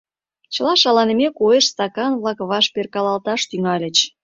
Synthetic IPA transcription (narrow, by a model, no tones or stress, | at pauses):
t͡ɕəlɑʃɑlɑnəmekoeʃst̪ɑkɑnβlɑkβɑʃperkɑlɑlt̪ɑʃt̪yŋɑlʲə̆t͡ɕ